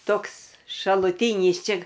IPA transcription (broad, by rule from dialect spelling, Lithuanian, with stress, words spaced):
ˈtoːks ʃɐlˠʊˈtʲiːnʲiːs ˈt͡ʃʲɛ